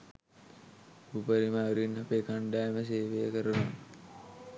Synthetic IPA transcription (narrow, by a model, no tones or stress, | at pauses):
upəɾimaːʋɾinɦapeːkaɳɖaːeməs̬eːʋejəkəɾuna